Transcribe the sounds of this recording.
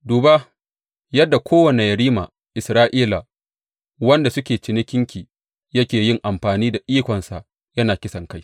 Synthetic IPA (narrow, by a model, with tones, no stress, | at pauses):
duː˨ba˦ | jɐ˦dːa˨kʷʰoː˦wɐ˨ne˨jɐ˨ɾiː˦ma̰˨ | ʔɪ˨sɾaː˦ʔiː˦la˨ | wɐ˦nda˨sʊ˦kʲeː˨t͡ʃɪ˨nɪ˦kʲɪ˦ŋkʲiː˨ | jɐ˦kʲeː˨jɪ˦ŋʔa˨mɸaː˨niː˦da˨ʔiː˦kʷɔ˨nsa˨ʔ | jɐ˦naː˨kʲɪ˦sɐ˨ŋka˦j